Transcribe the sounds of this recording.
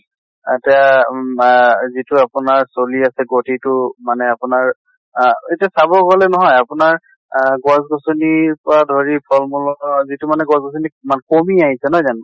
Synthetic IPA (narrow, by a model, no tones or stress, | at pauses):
tɛja | zitʊapʊnaɹsoliasɛɡotitʊmanɛapʊnaɹ | etiasabɔɡɔlɛnɔɦɔjapʊnaɹ | ɡɔzɡɔsoniɹpɔɹadʱoɹipʰɔlmulɔnɔzitʊmanɛɡɔsɡɔs̬onimankomiaɦisɛnɔɦɔjzanʊ